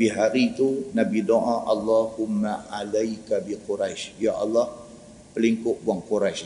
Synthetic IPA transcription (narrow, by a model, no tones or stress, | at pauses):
biɦaɾit̪unabidoʔãʔɑlːahumːaalajkabiquɾajʃjaʔɑlːɑh | pəliŋkʊʔbuaŋkuɾajʃ